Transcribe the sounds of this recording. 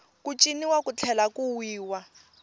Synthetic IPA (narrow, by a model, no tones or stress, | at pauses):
kut͡ʃʼiniwakut͡ɬʰɛlakuwiːwa